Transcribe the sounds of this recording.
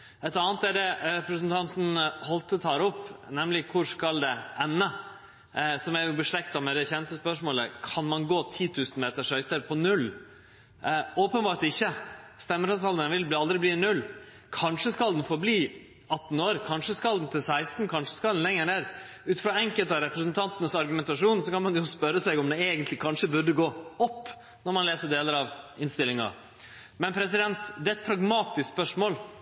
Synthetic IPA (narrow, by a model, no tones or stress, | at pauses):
ɛt̪ɑːnt̪æɖɛɾɛpɾəsənt̪ʰɑnt̪n̩hɔlt̪ət̪ʰɑːɾɔpːnɛmlɪkʰʊʂkɑld̪ɛɛnːə | sɔmæjʊbəʂɭɛkt̪ɑmɛd̪ɛçɛnt̪əspœʂmoːləkʰɑnmɑnɡoːt̪ʰiːt̪ʰʉːsn̩meːt̪əʂœʏt̪əɾpʰɔnʉlː | oːpənbɑːɾʈt̪ɪçːəst̪ɛmːəɾɑsɑld̪ənʋɪlblɑld̪ɾɪbliːnʉlː | kʰɑnʂəskɑld̪n̩fɔɾbliː | ɑt̪ːn̩oːɾkʰɑnʂəskɑld̪n̩t̪ʰɪlsæɪst̪n̩kʰɑnʂə̥skɑld̪n̩lɛŋːənæːɾ | ʉːt̪fɾɑɛŋkəlt̪ɑɾɛpɾəsnt̪ʰɑnt̪ənəsɑɾɡʉmɛnt̪ɑʂuːnsɔkɑnmɑnjʊspœɾːəsæɪɔmd̪ɛeːɡənt̪lɪkʰɑnʂəbʉɖəɡoːɔpː | nɔɾmɑnleːsəɖeːləɾɑʋɪnst̪ɪlɪŋɑ̰ | mɛnpʰɾɛs̬ɪd̪ɛnt̪d̪ɛːɛt̪̚pʰɾɑɡmɑːt̪ɪskspœʂmoːl